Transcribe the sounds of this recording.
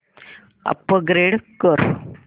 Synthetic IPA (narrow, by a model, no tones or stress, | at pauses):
ɐ̰pːəɡɾeɽkoɾ